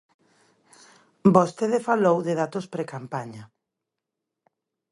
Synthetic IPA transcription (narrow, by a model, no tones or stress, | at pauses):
bost̪eðefalowðɪðat̪ospɾekampaɲa